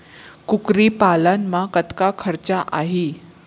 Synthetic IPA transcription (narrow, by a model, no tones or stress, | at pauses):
kukɾiːpalanːakət̪kakʰəɾt͡ɕaʔaɦi